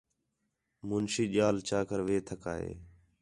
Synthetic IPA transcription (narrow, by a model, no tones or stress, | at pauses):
mʊnsiːʄaːlt͡ʃaːkəɾʋeːt̪ʰəkaːɦḛː